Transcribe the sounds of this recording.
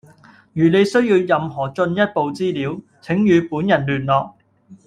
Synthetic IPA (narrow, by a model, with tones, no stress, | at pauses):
jyː˨˩ne˨˧jsɵ˥ɥjiː˧wjɐ˨mɦɔː˨˩t͡ʃɵ˧njɐ˥t̚po˨wt͡siː˥liː˨˥w | t͡sʰɪ˨˥ŋjyː˨˧puː˨˥njɐ˨˩nlyː˨˩nlɔː˨k̚